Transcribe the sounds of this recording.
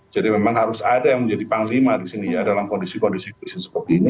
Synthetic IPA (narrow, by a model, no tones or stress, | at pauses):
d͡ʒadimemaŋhaɾʊsadajaŋməɲd͡ʒadipaŋlimadisinijadalamkɔndisikɔndisikisisə̥pərt̪iːni